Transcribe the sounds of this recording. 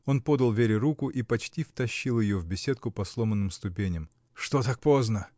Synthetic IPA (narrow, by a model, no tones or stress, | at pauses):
o̞npo̞d̪əlˠvʲeɾʲɪɾukʊʔipɐt͡ɕtʲift̪ɐɕːilˠjɪjovbʲɪsʲet̪̚kʊpɐslˠo̞mənːɨmst̪ʊpʲenʲɪm | ʂt̪ot̪ak̚po̞znə